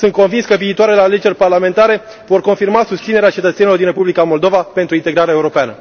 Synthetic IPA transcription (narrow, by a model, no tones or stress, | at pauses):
sɨnt̪̚ko̞nvinskəviːt̪oaɾe̞leale̞d͡ʒe̞rʲparlame̞nt̪aɾe̞ | vo̞rko̞nfirmasust̪sineɾeat͡ʃe̞t̪ət̪senilod̪inrepublikamo̞ld̪o̞vape̞nt̪ɾuint̪e̞ɡɾaɾeaeuɾo̞peanə